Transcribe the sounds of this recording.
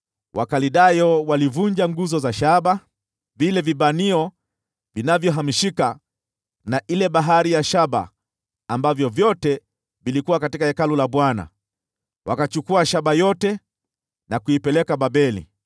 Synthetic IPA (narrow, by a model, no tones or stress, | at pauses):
wʔa̰kaliɗajɔwalivuɲd͡ʒaŋɡuzɔzaʃaɓa | vilɛviɓaniɔ | vinavjɔɦamiʃika | naʔilɛɓaɦaɾijaʃaɓa̰ː | mbavjɔvjɔtɛ | vilikuwakatikahɛkalulaɓwana̰ | wakat͡ʃukuaʃaɓajɔtɛ | nakuipɛlɛkaɓabɛlḭ